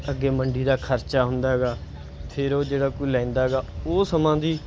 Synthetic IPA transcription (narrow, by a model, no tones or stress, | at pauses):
əɡːeːməɳɖiːɾaːkʰəɾt͡ʃaːɦʊnd̪aːɦɛɡaː | pʰeɾoːd͡ʒeːɽaːkoiːlɛ̃ːnd̪aːɦɛɡaːoːsəmãːd̪iː